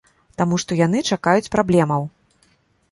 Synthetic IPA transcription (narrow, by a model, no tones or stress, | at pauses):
t̪amuʂt̪ɔjan̪ɨt͡ʂakajut͡sʲpɾablʲɛmɐw